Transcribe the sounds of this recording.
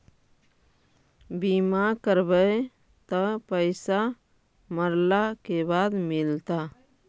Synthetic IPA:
bimakəɾbəe | t̪əpəɪsa | məɾlakebad̪mɪlt̪a

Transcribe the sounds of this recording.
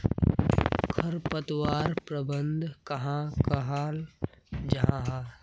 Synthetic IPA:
kʰɐɾpət̪waːɾpɾɐbənd̪ʱkɐɦãːkɐɦaːld͡ʒɐɦãɦa

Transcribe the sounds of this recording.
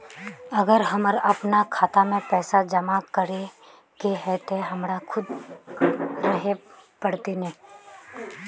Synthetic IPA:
ɐɡəɾɦɐməɾɐpnakʰaːt̪amẽpɛːsad͡ʒɐmakəɾe | keɦɛt̪eɦɐmɾakʰʊd̪ | ɾɐɦepəɽt̪inɛ̃ː

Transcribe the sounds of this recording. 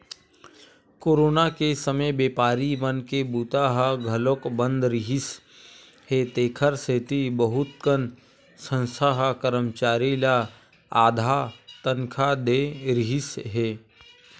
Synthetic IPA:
koːɾoːnakesəməjbeːpaːɾimənkebuːt̪aɦaɡʱɐlokbə̃nd̪ɾɪɦɪs | ɦet̪eːkʰəɾset̪ibəɦʊt̪kən | sə̃nsaɦakəɾəmt͡ʃaːɾila | aːd̪ʱat̪ənkʰad̪eɾɪɦɪsɦeː

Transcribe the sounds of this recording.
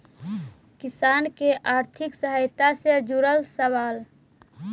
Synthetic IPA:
kɪsaːnkeʔaːɾt̪ʰɪksəɦəjt̪ased͡ʒuɾəlsəwaːl

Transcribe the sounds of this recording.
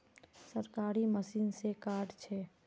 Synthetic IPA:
səɾkaːɾiməsiːnsekaːɾʈt͡ʃʰɛ

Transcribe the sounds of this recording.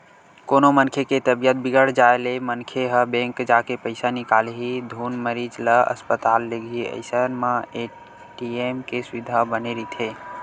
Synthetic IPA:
konomənkʰeket̪əbijət̪̚biɡəɽ̤d͡ʒaelemənkʰeɦəbẽŋkd͡ʒakepəɪsanikalɦid̪ʱunməɾid͡ʒləə̰spət̪alːeɡʱiə̰ɪsənməe | ʈiemkesuʋid̪ʱabəneɾit̪ʰe

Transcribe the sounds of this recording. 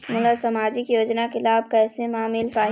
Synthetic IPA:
mʊləsəmaːd͡ʒɪkjoːd͡ʒnakɪlaːb̚kɛːsemaːmɪlpaː

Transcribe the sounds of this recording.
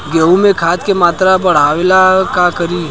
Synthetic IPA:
ɡeũmẽkʰaːt̪kemaːt̪ɾabɐɽ̤aʋelakakəɾiː

